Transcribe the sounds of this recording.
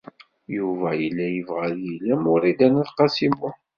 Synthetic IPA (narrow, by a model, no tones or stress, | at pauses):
juvæjəlːæjəvʁæðjilæmʊɾid̪ænæðqɑsimʊ